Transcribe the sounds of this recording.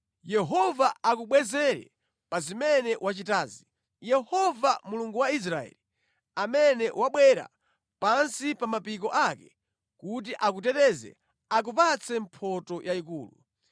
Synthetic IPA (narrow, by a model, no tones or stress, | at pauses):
jɛɦɔvaak̬uɓwɛzɛɾɛ̰ | pazimɛnɛwʔat͡ʃitaːzi | jɛhɔvamuluŋɡuwais̬ɾaɛ̰li | amɛnɛwʔaɓwɛɾa̰ | pansipamapikɔʔakɛ | kut̬iʔak̬utɛtɛzɛ̰ | ak̬upat͡sɛmpʰɔtɔjʔaikuːlu